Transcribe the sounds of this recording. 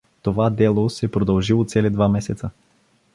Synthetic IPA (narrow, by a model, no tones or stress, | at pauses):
t̪ovad̪ɛlˠosɛpɾod̪əlˠʒilˠot̪sɛlid̪vamɛsɛt̪sə